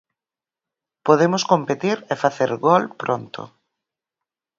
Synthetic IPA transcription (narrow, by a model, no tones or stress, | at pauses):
poðemʊskompet̪iɾefaθeɾɣɔlpɾont̪ʰʊ̰